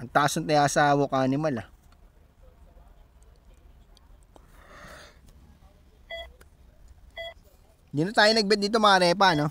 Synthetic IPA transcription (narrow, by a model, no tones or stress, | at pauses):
ʔɐŋt̪aʔsont̪ɐjasaːwokanɪmalɐ | d̪ɪnot̪aːjonɐɡ̚bɛt̪̚d̪iːt̪̬o̞mɐɐɾɛːpano